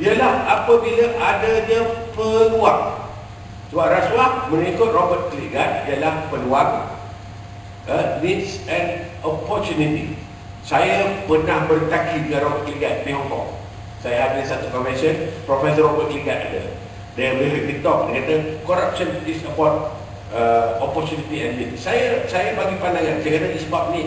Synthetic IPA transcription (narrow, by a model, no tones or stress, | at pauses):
iəlahapəbiləʔadəɲəpəluaʔ̚ | səbap̚raswaʔ̚mə̃nikʊt̪̚rɔbət̪̚kliɡat̪̚iəlahpəluaŋ̚ | ənit̪sɛnɔpɔrt͡ʃunit̪ḭ | sajapənahbərt̪akiɡəɾɔbət̪̚kliɡat̪̚beokɔ̰k̚ | sajəadəsat̪ukɔnvɛnsənpɾofɛsɔrɔbət̪̚kliɡat̪̚a̰də̰ | debeliʔ̚bit̪ɔk̚dəkadəkɔɾap̚sənisəpɔt̪̚ | əɔpɔrt͡ʃunit̪iɛnlit̪̚sajəsajabaɡipandaŋãnsajəkadaisəbap̚ni